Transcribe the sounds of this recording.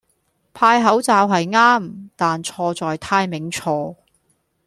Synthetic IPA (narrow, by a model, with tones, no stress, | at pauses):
pʰaː˧jɦɐ˨˥wt͡saː˨˧wɦɐ˨jŋaː˥mt̪aː˨nt͡ʃʰɔː˧t͡sɔː˨jt̪ʰaː˧jmɪ˨˥ŋt͡ʃʰɔː˧